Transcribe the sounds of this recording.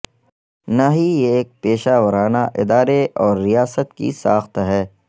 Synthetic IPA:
naɦijeːk̚peːʃaːʋəɾaːnaʔɪd̪aːɾeɔːɾːijaːsət̪kḭsaːxt̪ɦɛː

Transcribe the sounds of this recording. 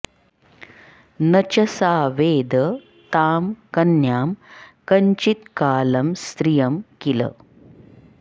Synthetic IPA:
nɐt͡ʃɐsaːʋeːd̪ɐ | t̪aːmkɐnjaːmkɐɲt͡ʃit̪kaːlɐmst̪ɾijɐmkilɐ̰

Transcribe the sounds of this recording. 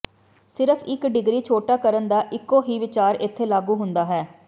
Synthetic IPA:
sɪɾəpʰɪkɖɪɡɾiːt͡ʃʰoːʈaːkəɾənd̪aːʔɪkːoːɦiːʋɪt͡ʃaːɾɪt̪ʰːeːlaːɡuːɦʊnd̪aːɦɛː

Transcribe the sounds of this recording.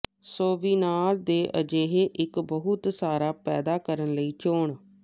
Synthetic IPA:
soːʋiːnaːld̪eːʔə̰d͡ʒeːɦeːʔɪkbəɦʊt̪saːɾaːpɛ̰ːd̪aːkəɾənləiːt͡ʃoːɳ

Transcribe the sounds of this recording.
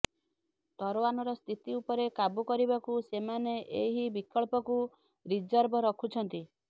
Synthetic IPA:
t̪ɔɾowanɔɾɔst̪ʰit̪iupɔɾekabukɔɾibakusemaneʔeɦibikɔɭpɔku | ɾid͡ʒɔɾbɔɾɔkʰut͡ʃʰɔnt̪i

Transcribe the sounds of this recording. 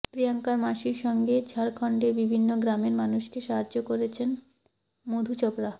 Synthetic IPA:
pɾijaŋkaɾmaʃiɾʃɔŋɡed͡ʑʱʰaɽkʰɔɳɖeɾbibʱinːoɡɾameɾmanuʃkeʃaɦad͡ʑd͡ʑokoɾet͡ɕʰen | mod̪ʱut͡ɕɔbɾa

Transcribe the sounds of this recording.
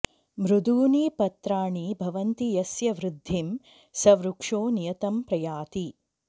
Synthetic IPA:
mɾud̪uːniːpɐt̪ɾaːɳibʱɐʋɐnt̪ijɐsjɐʋɾɪd̪ʱːim | sɐʋɾukʂoːnijɐt̪ɐmpɾɐjaːt̪i

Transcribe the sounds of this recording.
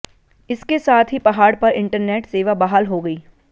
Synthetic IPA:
ɪskesaːt̪ʰɦipɐɦaːɽpɐɾɪ̃ɳʈəɾneːʈseːʋabaɦalɦoɡɐiː

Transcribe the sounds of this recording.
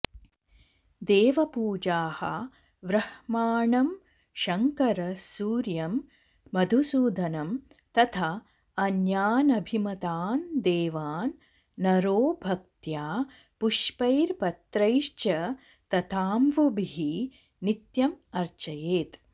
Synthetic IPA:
d̪eːʋɐpuːd͡ʒaːhɐ̰ | ʋɾɐhmaːɳɐm | ʃɐŋkɐɾɐsuːɾjɐmː | ɐd̪ʱusuːd̪ʱɐnɐm | t̪ɐt̪ʰa | ɐnjaːnɐbʱimɐt̪aːnd̪eːʋaːnː | ɐɾoːbʱɐk̚t̪jaː | puʃpɐjɾpɐt̪ɾɐjʃt͡ʃɐ | t̪ɐt̪ʰaːmʋubʱiɦi | nit̪jɐmɐɾt͡ʃɐjeːt̪

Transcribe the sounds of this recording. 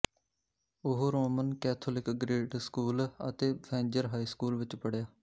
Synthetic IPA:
ʊɦɾoːmənkɛːt̪ʰoːlɪkɡɾeːʈskuːlə̰t̪eːbʰɛ̃ːɲd͡ʒəɾɦaːiːskuːlʋɪt͡ʃpəɽjaː

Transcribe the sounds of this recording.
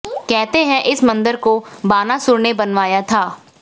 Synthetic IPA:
kɛɦt̪eɦɛ̃ʔɪsmɐ̃nd̪əɾkobaːnasʊɾnebɐnʋaːjat̪ʰaː

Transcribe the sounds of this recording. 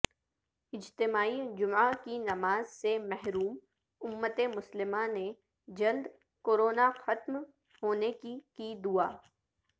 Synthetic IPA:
ɪd͡ʒt̪ɪmaːid͡ʒʊmakinɐmaːzsemɛɦɾuːm | ʊmːət̪emʊslɪmane | d͡ʒɐld̪ | koːɾoːnaxɐt̪m | hoːnekikid̪uaː

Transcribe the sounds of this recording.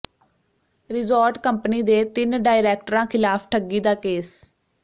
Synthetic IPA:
ɾɪzoːɾʈkəmpniːd̪eːt̪ɪnɖaːɪɾɛːk̚ʈəɾãːkʰɪlaːpʰʈʰəɡiːd̪aːkeːs

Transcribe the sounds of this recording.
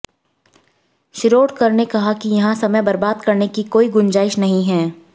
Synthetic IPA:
ʃɪɾoːɖkɐɾnekɐɦakijɐɦãsɐməjbɐɾbaːd̪kɐɾnekikoːiɡʊnd͡ʒaːɪʃnɐɦĩɦɛː

